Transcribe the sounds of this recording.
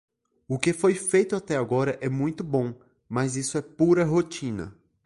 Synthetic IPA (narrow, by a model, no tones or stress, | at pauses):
ʊkefojfejt̪ʊat̪ɛaɡɔɾɐʔɛmũj̃t̪ʊbõw̃ | mɐzisʊɛpuɾɐɦot͡ʃĩnɐ̰